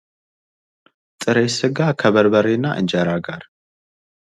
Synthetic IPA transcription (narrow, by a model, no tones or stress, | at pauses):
t̪ʼɨɾesɨɡakʰəβəɾbəɾenːa̰ʔɨ̰nd͡ʒəɾaɡaɾ